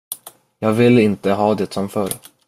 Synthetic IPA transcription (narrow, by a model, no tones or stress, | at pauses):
jɑːɡvɪlːɪnt̪əɦɑːd̪ɛt̪sɔmfœɾ